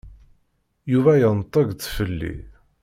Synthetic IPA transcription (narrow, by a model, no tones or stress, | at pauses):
juvæjənt̪ˤːəɡt͡sːfəlːḭ